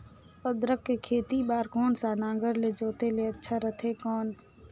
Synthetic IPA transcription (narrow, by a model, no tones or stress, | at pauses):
əd̪ɾəkːekʰeːt̪ibaːɾkoːnsaːnãːŋɡəɾled͡ʒoːt̪eleətːʃʰaɾət̪ʰekɔːn